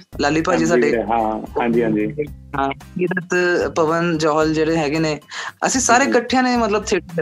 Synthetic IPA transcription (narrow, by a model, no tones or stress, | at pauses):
laːlipad͡ʑis̬aeɦããd͡ʒiːɦãd͡ʒieɦã | id̪ət̪pəʋənd͡ʒɔːɦəld͡ʑeɽeɦɛːɡeneə̰sẽsaːɾekəʈʰːijãnemət̪ləb̚t̪ʰeʈ